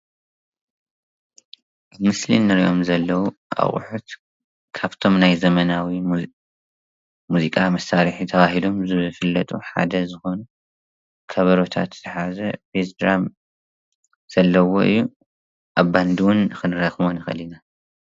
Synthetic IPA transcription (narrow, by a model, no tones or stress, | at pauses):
bɨmɨslḭnːɨɾiʔo̞mzɐlːɐwuʔa̰χʼħut̪ | kʰaβt̪ʰo̞mnajzɐmɐnawi | muzikʼamɐsaɾɨħit̪ʰɐβaɦilo̞mzɨfɨlːɐt̪ʼuħa̰d̪ɐzɨxo̞nu | kʰɐβɐɾo̞t̪ʰa̰t̪z̥ɨħazɐfesd̪ɾam | z̥ɐlːɐwo̞̰ʔɨ̰jːu | ʔaβːand̪ɨwʊnxɨnɾɐxmonɨxɐ̰lina